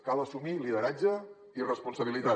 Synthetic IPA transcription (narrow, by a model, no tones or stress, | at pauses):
kalˠəsumiliðəɾad͡ʒə | irəspunsəβ̞ilit̪a